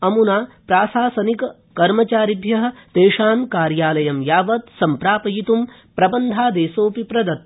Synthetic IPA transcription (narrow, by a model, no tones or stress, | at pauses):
ɐmunaːpɾaːsaːsɐnikɐ | kɐɾmɐt͡ʃaːɾib̪ʱjɐɦɐ̆t̪eːʂaːmkaːɾjaːlɐjɐmjaːʋɐt̪sɐmpɾaːpɐjit̪um | pɾɐbɐnd̪ʱaːd̪eːsoːpipɾɐd̪ɐt̪̚